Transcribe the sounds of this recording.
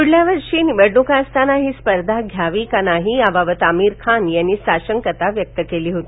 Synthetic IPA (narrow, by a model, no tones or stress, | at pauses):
kuɽljaʋəɾʂiːnibəɽɳukast̪ʰanaɦiːspəɾd̪ʱaɡʱjaʋikanaɦiabaʋət̪amiːɾkʰanjanːiːsaɕəŋkət̪aʋjək̚t̪əkeliːɦot̪i